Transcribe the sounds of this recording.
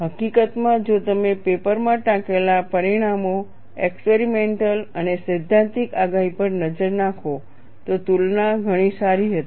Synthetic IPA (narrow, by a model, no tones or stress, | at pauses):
ɦəkikət̪mãd͡ʒot̪əmepepəɾmãʈãkelapəɾiɽ̃amo | ekspeɾimeɳʈələnesɪd̪ʱːãnt̪ikaɡaɦipəɾnəd͡ʒəɾnãkʰo | t̪ot̪ulnaɡʱəɽ̃isaɾiɦət̪i